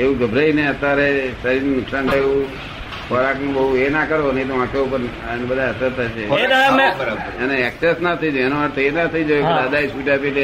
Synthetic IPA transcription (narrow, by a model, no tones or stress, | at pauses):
eʋũɡəbʱɾəineət̪jaɾesəɾinunʊksant̪ʰaeʋũ | kəɾaknũbəɦuenakəɾonəĩt̪oʋãkʰoupən | nebəd̪ʱaəsəɾt̪ʰaʃed̪aameəɾaəneɛksesnət̪ʰəd͡ʒoenoʋaɾt̪ʰoenat̪ʰid͡ʒod̪ad̪aisʋiʈapit̪e